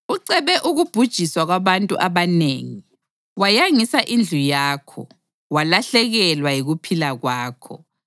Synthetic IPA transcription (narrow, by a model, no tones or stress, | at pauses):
uǀɛβɛʔuɣub̥ʱud̥ʒ̥ʱiswaɣwaβantʼuʔaβaneːŋi | wajaŋisaʔind͡ɮʱujaːkʰɔ̰ | walaɬɛɣɛlwajiɣupʰilaɣwaːkʰɔ̰